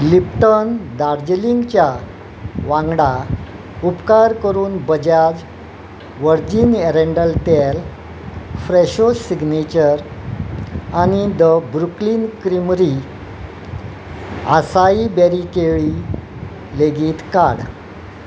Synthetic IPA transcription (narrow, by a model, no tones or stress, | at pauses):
lipʈənd̪aɾd͡ʑliŋɡt͡ɕja | ʋãŋɡɽa | upkaɾkəɾuːnbəd͡ʑad͡z | ʋəɾd͡ʑiːneɾeɳɖəlt̪el | fɾeɕoiɡnet͡ɕəɾ | añid̪əbɾukliːnkɾimɾi | a̰saibeɾikeɭi | leɡiːt̪kaɽ